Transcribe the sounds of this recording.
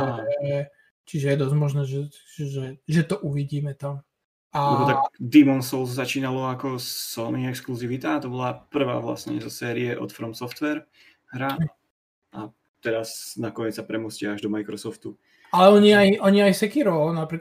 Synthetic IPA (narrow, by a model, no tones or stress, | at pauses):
aɛ | t͡ʃiʒɛjɛd̪ɔzmɔʒnɛːʒɛ | ʒɛʒɛt̪ɔʔuʋiɟiːmɛt̪am | aɛbɔt̪akd̪imɔnsɔlzzat͡ʃiːnalɔakɔsɔmiɛkskluziʋit̪at̪ɔbɔlapr̩ʋa̰ːʋla̰sɲɛ̰zɔsɛːɾiɛʔɔ̰t̪fɾɔmsɔft̪ʋɛɾ | ɦɾaɛ | ʔa | t̪ɛɾasnakɔɲɛt͡ssapɾɛmuscɛaʒd̪ɔmajkɾɔsɔft̪u | alɛɔɲiajɔɲiajsɛkiɾɔnapɾik